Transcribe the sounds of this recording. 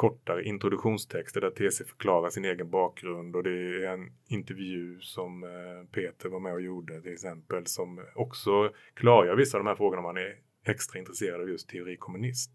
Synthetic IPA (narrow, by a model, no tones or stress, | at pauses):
kʰɔʈːaɾəʔɪnt̪ɾʊd̪ɵɧuːnst̪ʰɛkst̪əɖæɾt̪ʰeːsefœ̥ɾkʰlɑːɾaʂɪneːɡənbɑːk̚ɡɾɵnd̪ɔd̪ɛæɾɛnɪnt̪ɛɾvjʉ̟ːsɔmpʰeːt̪ʰəɾvaɾmɛɔjuːɖət̪ʰɪlɛksɛmpəlsɔmɔksɔkʰlɑːɾaɾvɪsːaːvd̪ɔmhæɾfɾoːɡʊɳaɔmhanæɾ | ɛkst̪ɾaɪnt̪ɾɛseːɾad̪ɑːvjɵst̪ʰːɛʊɾiːkʰɔmɵnɪsm